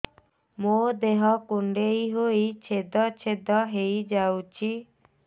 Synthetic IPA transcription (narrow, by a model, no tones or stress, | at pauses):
mod̪eɦɔkuɳɖeiɦoit͡ʃʰed̪ɔt͡ʃʰed̪ɔɦejd͡ʒawt͡ʃʰi